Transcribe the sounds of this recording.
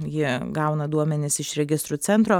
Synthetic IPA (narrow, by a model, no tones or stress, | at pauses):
jɪɡɐʊnɐd̪uɔmʲɛnʲɪsɪʃɾʲɛɡʲɪst̪ɾut͡ssʲɛnt̪ɾoː